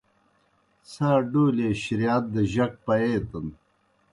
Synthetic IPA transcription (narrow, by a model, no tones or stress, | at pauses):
saːɖuːleːɕiɾjaːt̪̚d̪ɐʑɐk̚pɐeːt̪ɐn